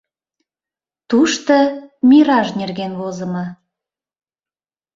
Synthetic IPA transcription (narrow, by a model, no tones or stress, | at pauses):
t̪uʃt̪əmʲiɾɑʒnʲerɣenβozəmɤ